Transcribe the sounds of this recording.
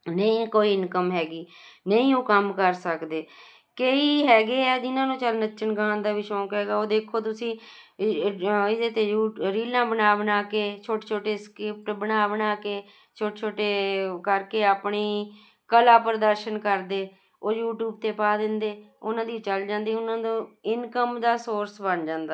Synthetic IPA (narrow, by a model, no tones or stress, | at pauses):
nəĩːkoːiːɪnkəmɦɛːɡiːnəĩːũːkəmkəɾsəkd̪eː | keiːɦɛːɡeːɛːd͡ʒɪnãːnũːt͡ʃəlnətːʃənɡãːnd̪aːʋiʃɔ̃ːkɦɛːɡaːoːd̪eːkʰːoːt̪ʊsĩː | ɪd̪eːt̪eːuːɾiːlãːbənaːʋənaːkeːt͡ʃʰoːʈeːt͡ʃʰoːʈeːskɾɪp̚ʈbənaːʋənaːkeː | t͡ʃʰoːʈeːt͡ʃʰoːʈːeːkəɾkeːaːpɳiː | kəlaːpəɾd̪əɾʃənkəɾd̪eː | oːjuːʈjuːb̚t̪eːpaːd̪ɪnd̪eː | ʊnãːd̪iːt͡ʃəld͡ʒãːnd̪iːʊnãːd̪õːɪnkəmd̪aːsoːɾsbənd͡ʒãːnd̪aː